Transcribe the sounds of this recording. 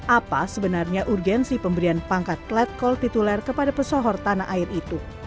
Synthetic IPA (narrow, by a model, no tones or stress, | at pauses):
ʔapasəbənarɲaʔurɡɛnsipəmbəɾianpaŋkat̪̚lɛt̪̚kɔlt̪it̪ulɛrkəpadapəsɔɦɔrt̪anaʔaɪrit̪u